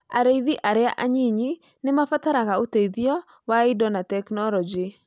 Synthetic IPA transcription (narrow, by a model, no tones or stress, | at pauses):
a̰ɾeiðiʔaɾea̰ʔaɲiɲi | nɪmafataɾaɣaoteiðiɔ | waidɔnatɛknɔlɔd͡ʒi